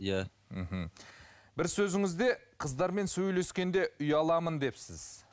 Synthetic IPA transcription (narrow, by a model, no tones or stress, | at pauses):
ja | m̩ɦm̩ | bɪɾsɵzɪŋɪzd̪e̞qʰəzd̪ɑɾme̞nsɵjle̞skʲe̞nd̪e̞ʔʊjɑlˠɑmənd̪e̞psɪz̥